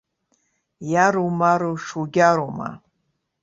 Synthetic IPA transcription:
jaɾumaɾuʂuɡʲaɾuma̰

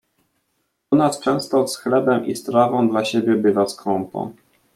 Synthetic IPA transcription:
pɔnast͡ʂɛ̃w̃st̪ɔsxlɛbɛmʔḭst̪ɾavɔ̃w̃d̪laɕebʲjɛbɘvaskɾɔmpɔ̰̃w

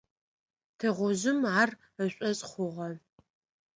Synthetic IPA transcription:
tʰɨʁʷʊʑɪmar | əɕʷʼɔsʼχʷʊʁɐ

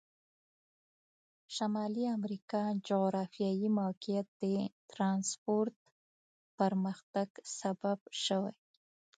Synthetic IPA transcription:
ʃamɑliamɾikɑd͡ʒoɣɾɑfjɑjimokijat̪̚d̪̥ət̪ɾɑnspoɾt̪ | paɾməxt̪aɡ̥sababʃəwaj

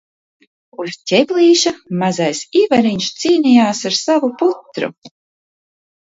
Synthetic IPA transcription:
ustʲɛbʲlʲiːʃamazajsiːvaɾiɲʲʃt̪siːnijaːsaɾsavuput̪ɾṵ

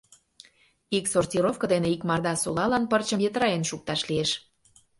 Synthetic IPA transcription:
iksortʲiɾofkə̆d̪eneikmɑrd̪ɑsulɑlɑnpərt͡ɕəmjet̪ɾɑenʃuk̚t̪ɑʃlieʃ

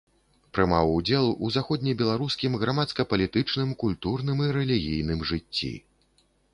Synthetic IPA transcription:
pɾɨma̰wud͡zʲɛlˠuzaxɔd̪ʲnʲibʲɛlˠaɾuskʲimɣɾamat̪skɐpɐlʲit̪ɨt͡ʂnɨmkulʲt̪urnɨmiɾɛlʲiɣʲijn̪ɨmʐɨt͡sʲːḭ

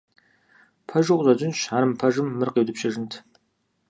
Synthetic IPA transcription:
pʰɐʒɨχʷzɐd͡ʑʼɪnɕaːɾɨmpʰɐʒɨmːɨrqeːwdɨpɕɐʒɪntʰ

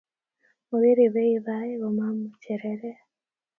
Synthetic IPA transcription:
muβiɾiβeiβajiβomamuceɾeɾe

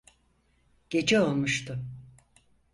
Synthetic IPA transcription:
ɟ̥e̞d͡ʒɛo̞lˠmuʃt̪ʰʊ

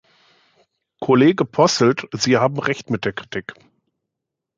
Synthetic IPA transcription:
kʰoleːɡəpʰɔstl̩tz̥iːhaːbm̩ʁɛçtmɪt̚d̥eːɐkʁ̥itʰɪk

